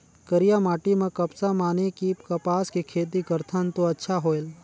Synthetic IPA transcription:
kəɾijamaːʈimẽkəpsamaːnekikɐpaːskikʰeːt̪iɡəɾt̪ʰənt̪oɐtːʃʰaɦoːel

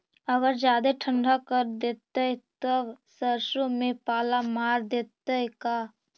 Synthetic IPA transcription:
əɡəɾd͡ʒjaːd̪eʈʰə̃ɳɖʱakəɾd̪et̪ət̪əbsəɾsomepaːlamaːɾd̪et̪əka

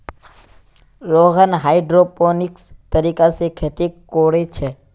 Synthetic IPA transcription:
ɾoːɣənɦaːiɖɾoponɪkst̪əɾiːkasekʰet̪ikːoːɽet͡ʃʰe

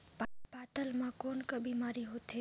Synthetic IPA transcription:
bʱabaːt̪əlmãkoːnkəbiːmaːɾiɦoːt̪e

